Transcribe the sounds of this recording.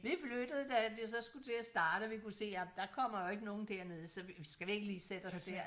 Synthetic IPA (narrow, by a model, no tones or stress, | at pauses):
ʋiflød̥əð̞̩ˠəd̥æd̥esɒ̽sɡ̥ut͡sʰe̝æsd̥ɑ̈ːɾ̥əɒʋikuse̝̰ːjæmd̥ɑ̈kʰɒ̽m̰ɐjoe̝ɡ̥əno̝ːn̩d̥eɐ̰ne̝ð̞ˠsɒ̽ʋʋisɡ̥æʋie̝ɡ̥əliːsed̥ɒ̽ssd̥eɐ̰